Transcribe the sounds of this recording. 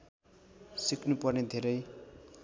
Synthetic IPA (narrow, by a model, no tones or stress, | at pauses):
siknupʌrned̪ʱeɾʌj